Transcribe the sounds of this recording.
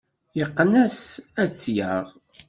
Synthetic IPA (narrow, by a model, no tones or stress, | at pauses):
jəqːnæsæt͡sːjəʁ